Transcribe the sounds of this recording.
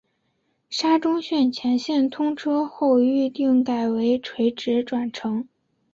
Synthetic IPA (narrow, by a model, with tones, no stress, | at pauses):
ʂa˥ʈ͡ʂʊ˥ŋɕɥɛ˥˩nt͡ɕʰjɛ˧˥nɕjɛ˥˩nt̪ʰʊ˥ŋʈ͡ʂʰɤ˥xo˥˧ʊy˥˧t̪i˥˩ŋka˨˩ɪwe˧˥ɪʈ͡ʂʰwe˧˥ɪʈ͡ʂɻ̩˧˥ʈ͡ʂwa˨˩nʈ͡ʂʰɤ˧˥ŋ